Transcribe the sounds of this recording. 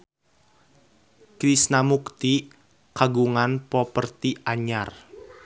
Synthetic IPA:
kɾisnamukt̪i | kaɡuŋanpɔpərt̪iaɲar

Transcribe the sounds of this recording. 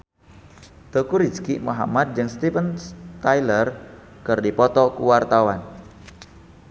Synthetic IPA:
t̪okuɾid͡ʒkiʔmuɦa̰mad̪̚d͡ʒɨŋst̪ifənst̪ajlər | kɨrdipɔt̪ɔkuwart̪awan

